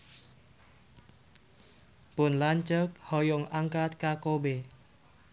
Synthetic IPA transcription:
pʊnlant͡ʃək̚hɔjoŋʔaŋkat̪̚kakobe

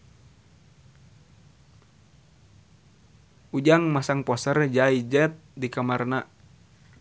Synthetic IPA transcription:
ud͡ʒaŋmasaŋpɔsərd͡ʒaid͡ʒɛt̪̚dikamarna

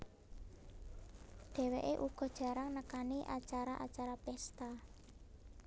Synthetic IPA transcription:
ɖ̪̥ɛ̤weʔeʔuɡ̥ɔ̤d̥ʒ̥ä̤ɾaŋnəkaniʔa̰t͡ʃaɾaʔat͡ʃaɾapɛst̪a

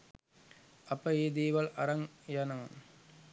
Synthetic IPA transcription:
ɐpːɐeːd̪iːʋɐlɐ̰ɾɐŋjɐnɐ

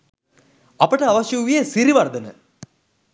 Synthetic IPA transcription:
ɐpəʈəaʋɐʃjɐʋijesiɾiʋɐrd̪ənə

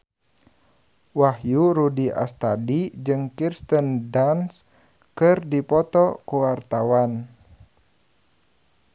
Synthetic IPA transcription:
wahjuɾudiʔa̰st̪adid͡ʒɨŋkirst̪əndans | kɨrdipɔt̪ɔkuwart̪awan

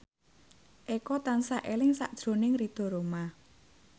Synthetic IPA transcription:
ʔekɔt̪ansaʔelɪŋsa̰ʔd̥ʒ̥ɾo̤nɪŋrid̪̥ɔ̤ɾoma

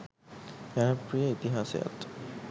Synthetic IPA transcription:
apɹijait̪iɦasja̰t

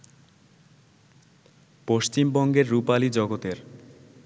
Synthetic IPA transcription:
poʃt͡ɕimbɔŋɡeɾːupalid͡ʑɔɡot̪eɾ

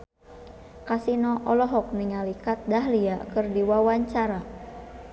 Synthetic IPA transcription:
kasinɔʔɔlɔɦɔk̚niŋalikat̪̚daɦliakɨrdiwawaɲt͡ʃaɾa

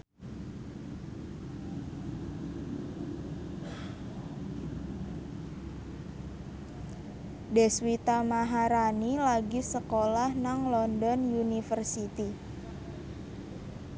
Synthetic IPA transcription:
dɛswit̪amaɦaɾanilaɡisəkolahnaŋlɔndɔnjunifərsit̪i

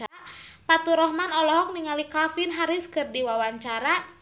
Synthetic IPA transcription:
apat̪uɾɔhmanɔlɔɦɔk̚niŋalikafɪnɦaɾɪskɨrdiwawaɲt͡ʃaɾa

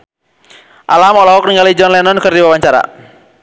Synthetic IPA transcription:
ʔalamɔlɔɦɔk̚niŋɡalid͡ʒɔnlɛnɔnkɨrdiwawaɲt͡ʃaɾa̰

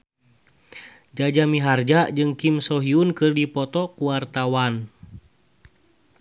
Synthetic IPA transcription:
d͡ʒad͡ʒamiɦard͡ʒad͡ʒɨŋkimsɔɦiunkɨrdipɔt̪ɔkuwart̪awan

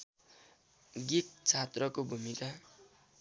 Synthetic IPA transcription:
ɡik̚t͡sʰat̪rʌkobʱumika

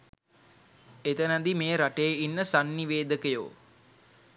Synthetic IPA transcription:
et̪ənad̪imeːɾaʈejːinːəsanːiʋeːd̪əkəjo̰ː

